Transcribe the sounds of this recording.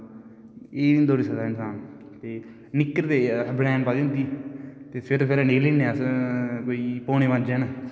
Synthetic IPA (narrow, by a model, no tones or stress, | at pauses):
eːind̪oːɾisəd̪aːɪnsaːn | t̪eː | nɪkːəɾd̪eːbɽɛːnpaːd̪iːʊ̃nd̪iːt̪eːpʰɪɾpʰɪɾneːleːnẽəskoːiːpoːɽ̃eːʋãnd͡ʒɛːnaː